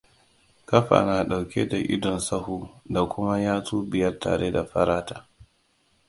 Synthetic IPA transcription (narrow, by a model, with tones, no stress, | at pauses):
kɐ˦ɸa̰˨naː˨ɗa˨wkʲe˦da˨ʔɪ̰˦dɔ˨nsɐ˦huː˨da˨kʷʊ˦ma˦jaː˦tuː˦bɪ˨jɐ˦rta̰ː˨ɾʔe˦da˨ɸɐ˦ɾaː˦taː˦